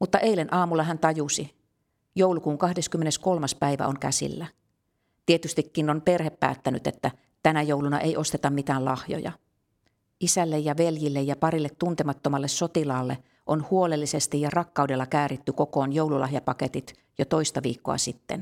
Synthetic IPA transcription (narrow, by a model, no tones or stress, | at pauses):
mut̪ːɑʔeilenʔɑːmulːɑɦænt̪ɑjusi | jowlukuːŋkɑhdeskymːenesko̞lmɑspæiʋæ̰oŋkæsḭlːæ | t̪iet̪yst̪ikːinonpe̞rhepːæ̰ːt̪ːænyt̪ḛt̪ːæ | t̪ænæjowlunɑ̰ʔeijʔo̞st̪et̪ɑmmit̪æːlɑhjo̰jɑ̰ | ʔisælːejjɑʋeljilːejjɑpɑɾilːet̪tunt̪emɑt̪ːomɑlːesso̞t̪ilɑːlːe | ʔonhuolelːise̞st̪ijɑrɑkːɑudelːɑkæːrit̪ːykokoːnjowlulɑ̰hjɑpɑket̪it̪ | jot̪o̞ist̪ɑʋḭːkːo̰ɑ̰sit̪ːḛn